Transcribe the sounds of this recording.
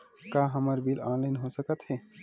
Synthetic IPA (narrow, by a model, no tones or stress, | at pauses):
kaːɦəməɾbilãːnlaɪnɦosəkət̪ɦɛː